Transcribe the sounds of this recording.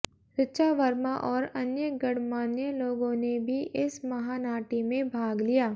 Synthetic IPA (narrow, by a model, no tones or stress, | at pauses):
ʃɪtːʃaʋɐɾmaʔɔːɾɐnjəɡɐɽmaːnjəloːɡõnebʱiʔɪsmɐɦaːnaːʈimẽbʱaːɡlijaː